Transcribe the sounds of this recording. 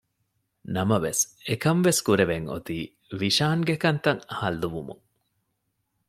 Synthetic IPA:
nɐmɐʋesekɐmʋeskuɾeʋeŋo̰t̪iː | ʋiʃaːŋɡekɐnt̪ɐŋhɐlːuʋumṵŋ

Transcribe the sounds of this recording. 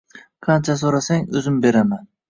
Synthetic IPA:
qʰɑnt͡ʃʰasoɾasaŋɵzɪmbe̞ɾaman

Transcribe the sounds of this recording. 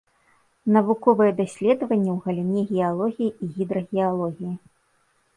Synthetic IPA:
nɐvukɔvɨjɛd̪asʲlʲɛd̪ɐvɐnʲːɛwɣɐlʲinʲɛɣʲɛalˠɔɣʲijiiɣʲid̪ɾɐɣʲɛalˠɔɣʲiji

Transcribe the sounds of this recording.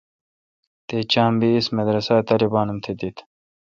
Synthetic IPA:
t̪et͡ɕaːmbiːsmɐd̪ɾɐsaːt̪ɐɾibaːnumt̪ʰed̪it̪ʰ

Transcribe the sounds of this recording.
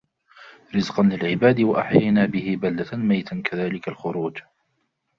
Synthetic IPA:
ɾɪzqɑnlɪlʕɪbaːd̪ɪwaʔa̰ħjajnaːbɪhɪbald̪amajt̪akaðaːlɪkalxʊɾuːd͡ʒ

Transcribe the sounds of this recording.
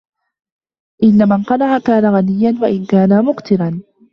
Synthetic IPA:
ʔɪnːamanqɑnaʕakaːnaɣanɪjːanwaʔɪnkaːnamʊqt̪ɪɾan

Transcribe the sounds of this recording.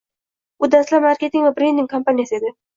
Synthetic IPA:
ʊd̪ast̪lapmaɾkʲe̞t̪ɪŋvabɾend̪ɪŋkʰompanijasɪe̞d̪ɪ

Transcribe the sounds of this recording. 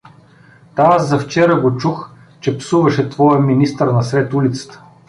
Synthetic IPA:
t̪aaszɐft͡ʃɛɾəɡot͡ʃux | t͡ʃɛpsuvɐʃɛt̪vɔjəminist̪əɾnɐsɾɛt̪ulit̪sə̥t̪ə̥

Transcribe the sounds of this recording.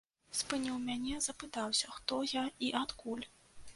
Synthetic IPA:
spɨnʲiwmʲanʲɛzɐpɨt̪awsʲɐxt̪ɔjaiʔat̪kulʲ

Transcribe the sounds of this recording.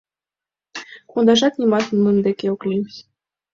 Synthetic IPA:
kund̪aʒat̪nʲimɑt̪nmɨnd̪ekʲeoklʲimsʲ

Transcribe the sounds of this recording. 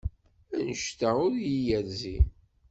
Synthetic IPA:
ænəʃt̪æʊɾjijæðzi

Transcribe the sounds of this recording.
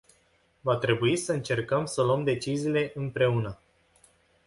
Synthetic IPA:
vat̪ɾe̞buisəɨnt͡ʃe̞rkəmsəloəmd̪e̞t͡ʃiziːle̞ʔɨmpɾe̞unə

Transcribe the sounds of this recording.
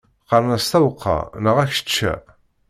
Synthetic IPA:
qɑɾˤnæst̪æwəqʰːɑ̰nəʁæç̥t͡ʃːæ̰

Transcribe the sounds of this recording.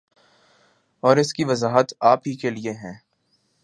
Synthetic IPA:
ɔːɾɪskiʋɐzaːɦət̪aːpɦikelieɦɛ̃ː

